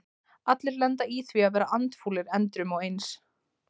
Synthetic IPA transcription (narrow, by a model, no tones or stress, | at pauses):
at̪lɪɾlɛnt̪aiθviaðvɛːɾaʔant̪fuːlɪɾɛnt̪ɾʏmɔɣejns